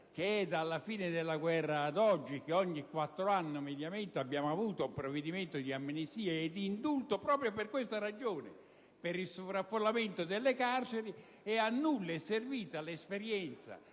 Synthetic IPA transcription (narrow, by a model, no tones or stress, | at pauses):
k̟eɛd̪alːafiːned̪elːaɡwɛrːaːd̪ɔd͡ʒːik̟eɔɲːikwat̪ːɾoanːomed̪jament̪eabːjaːmoavuːt̪oumpɾoved̪iment̪od̪iamːinist̪iːeed̪ːiːnd̪ult̪opɾɔːpɾjoperkwest̪aɾad͡ʒoːnḛ | peɾilsovɾafːolːament̪od̪elːekart͡ʃeɾi | ɛanːulːɛserviːt̪alespeɾjɛnt̪sa̰